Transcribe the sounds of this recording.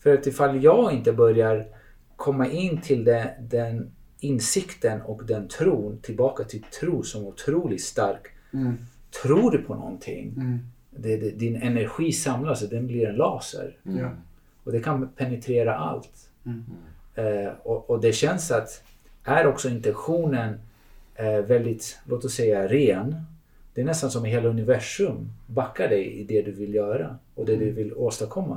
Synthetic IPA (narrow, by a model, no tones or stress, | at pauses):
fœɾat̪ɪfalːjɑːɡɪnt̪əbœɾjaɾ | kʰɔmːaʔɪnːt̪ʰɪld̪ɛd̪ɛn | ɪnsɪkt̪ənɔkd̪ɛnt̪ʰɾuːnt̪ʰɪlbɑːkat̪ʰɪt̪ʰɾuːsɔmʊt̪ʰɾuːlɪt̪st̪aɾk | t̪ʰɾuːɖɵpʰɔnɔ̰nt̪ʰɪ̰ŋː | d̪ɛd̪ɛd̪ɪnɛnæɾɧiːsamlasd̪ɛnbliɾɛnlɑːsə̰ɾ | ɔd̪ɛkʰanpʰɛnɛt̪ʰɾeːɾaʔa̰lt̪ | ɔʔɔd̪ɛɕɛnsat̪ | ʔæɾɔksɔɪnt̪ɛnɧuːnən | vɛld̪ɪt̪loːt̪ɔsːɛjːaɾeːn | d̪̥ɛæɳnɛst̪ansɔmɪɦeːlaɵnɪvæʂɵmbakʰːaɖɛjɪ̰d̪ɛd̪ɵvɪljœːɾa̰ɔd̪ɛd̪ɵvɪloːst̪akʰɔmːa̰